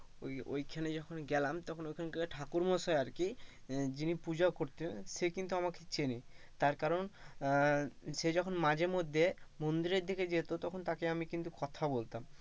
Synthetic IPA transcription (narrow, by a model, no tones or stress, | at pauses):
ojo̰jkʰaned͡ʑɔkʰonɡɛlamt̪ɔkʰonojkʰaneɡɛleʈʰakuɾmoʃɔeaɾkid͡ʑinipud͡ʑaokoɾt̪enʃekint̪uamaket͡ɕeni | t̪aɾkaɾon | ʃed͡ʑɔkʰonmad͡ʑeɾmod̪ʱːemond̪iɾeɾd̪ʱeked͡ʑet̪ot̪ɔkʰont̪akeamikint̪ukɔt̪ʰabolt̪am